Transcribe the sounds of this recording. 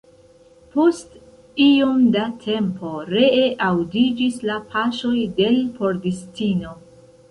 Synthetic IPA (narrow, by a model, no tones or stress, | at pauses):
po̞st | iomdatʰe̞mpo̞ɾe̞eʔawdid͡ʒislapʰaʃo̞jde̞lpo̞ɾdistino̞